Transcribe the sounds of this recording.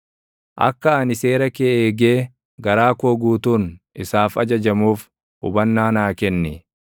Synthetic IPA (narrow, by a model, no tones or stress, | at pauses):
ʔɐ̰kːɐɐnɪse̞ːɾɐkeeːɡeː | ɡɐɾaːkoːɡuːt̪uːnʔɪsaːfɐ̰d͡ʒɐd͡ʒɐmuːf | ʊbɐnːaːnaːkɛnːɪ